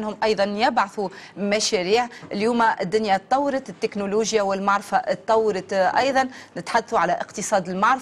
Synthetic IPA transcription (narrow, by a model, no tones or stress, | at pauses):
nhʊmʔɑjðˤɑnjɪbʕaθumæʃæɾiːʕɪljuːmæʔɪd̪ːʊnjat̪ˤːɑwːɾɑt̪ɪt̪ːɪknuluːʒjawɪlmaʕɾˤfaʔt̪ˤːɑwːɑɾɑt̪ʔɑjðˤɑnːɪt̪ħad̪ːθuʕalæʔɪqt̪əsˤɑːd̪ɪlmaʕɾ